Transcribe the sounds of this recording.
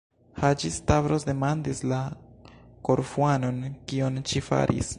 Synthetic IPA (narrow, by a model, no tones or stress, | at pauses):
had͡ʒistavɾosde̞mandisla | ko̞ɾfuano̞nkionʃifa̰ɾʔḭs